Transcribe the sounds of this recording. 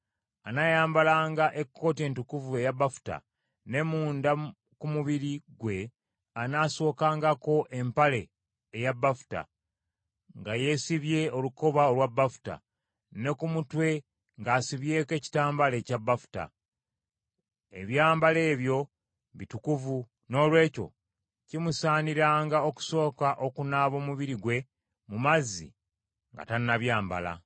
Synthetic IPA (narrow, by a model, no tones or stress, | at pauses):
anajaːmbalaːŋɡaʔe̞kʰːo̞ːtie̞ːntukuvue̞jabːafu̥ta̰ | ne̞muːnda | kumuβiɾiɡwe̞ | anaːso̞ːkaːŋɡako̞ʔe̞mpale̞ː | jabːafu̥ta̰ | ŋɡaje̞siβje̞o̞luko̞βao̞lwabːafu̥ta̰ | ne̞kumutwe̞ | ŋɡaːsiβje̞ːke̞ːci̥taːmbale̞ːcabːafu̥ta̰ | e̞̰βjaːmbale̞ːβjo̞ | βitukuvu | no̞ːlwe̞ːco̞̰ | cimusaːniɾaːŋɡaoku̥so̞ːkaʔo̞kunaːβo̞ːmuβiɾiɡwe̞ | mumazːḭ | ŋɡa̰tannaβjaːmba̰la̰